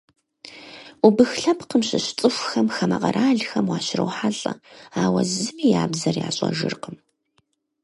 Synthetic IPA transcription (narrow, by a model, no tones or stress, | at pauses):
ubɨxɬɐpqəmɕɪɕt͡sʼɨxʷxɐmxɐmɐqɐɾʔaːɮxɐmwɑːɕɪrɐ̰wħaɮʼɐaːwɐ̰zɨmiːjaːbzɐrja̰ːɕʼɐ̰ʒɨrqəm